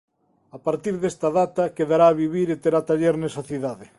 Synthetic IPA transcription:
apaɾt̪iɾðest̪ɐðat̪ɐkeðaɾaːβiβiɾet̪eɾat̪aʎeɾnesɐθiðaðɪ

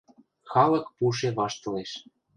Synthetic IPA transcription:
xɑlɤ̆kpuʃ̬eβɑʃt̪ɤ̆leʃ

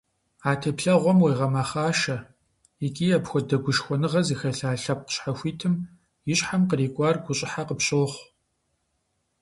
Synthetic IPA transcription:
aːtʰeːpɬɐʁʷɔmweːʁɐmɐχaːʃɐ | ɪkʲʼiːɐpxʷɔdɐɡʷʊʃxʷɔnɨʁɐzixɐɬaːɬɐp̚qə̥ɕħaxʷiːtʰɨm | jɪɕħamqəɾiːkʷʼɑːrɡʷʊɕʼɪħaqəpɕʼoːχʷ

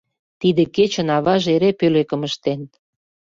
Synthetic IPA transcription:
t̪id̪eket͡ɕə̆nɑβɑʒeɾepølekə̆məʃt̪en

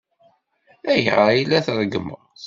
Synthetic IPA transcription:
æjʁəjilːæθɾˤəɡəmə̰ʁ

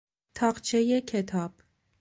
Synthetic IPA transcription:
t̪ʰɒːɢt͡ʃʰejekʰet̪ʰɒːb̥̚

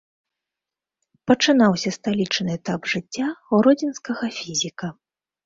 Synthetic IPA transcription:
pɐt͡ʂɨnawsʲɐst̪alʲit͡ʂnɨɛt̪abʐɨt͡sʲːauɾɔd͡zʲinskɐɣɐfʲizʲikɐ

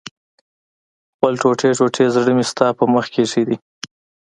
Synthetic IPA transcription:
xpəlʈoʈeʈoʈʰezɽəmɪst̪ɑpəməxkeʂid̪i

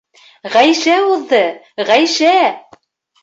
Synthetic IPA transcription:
ʁæjʃæuðːɤ | ʁæjʃæ

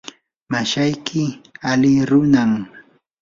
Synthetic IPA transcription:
maʃajkʰɪalɪɾʊnam

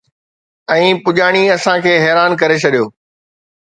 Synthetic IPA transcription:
ɛ̃ːpʊʄaːɽ̃iɐsãkʰeːɦɛːɾaːnkɐɾet͡ɕʰɐɗijoː

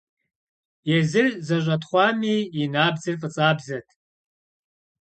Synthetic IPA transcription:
jɛzɨrzɐʒʷʼɐtχʷɑːmiːnaːbzɨrfʼɨt͡sʼaːbzɐtʰ

